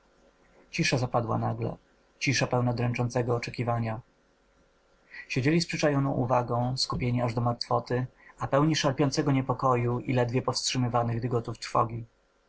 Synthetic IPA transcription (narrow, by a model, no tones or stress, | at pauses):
t͡ɕiʂazapad̪wa̰naɡlɛ̰ | t͡ɕiʂapɛwnɔd̪ɾɛnt͡ʂɔntsɛɡɔːt͡ʂɛkʲivaɲa | ɕed͡ʑelʲispʂɘt͡ʂajɔnɔ̃w̃ʔṵvaɡɔ̃w̃skupʲjeɲiaʐd̪ɔmaɾt̪fɔt̪ɘapɛwɲiʂalpʲjɔnsɛɡɔɲɛpɔkɔjuḭlɛd̪vʲjɛpɔfstʂɘmɘvanɘɣd̪ɡɔt̪uft̪ɾfɔ̰ɡʲi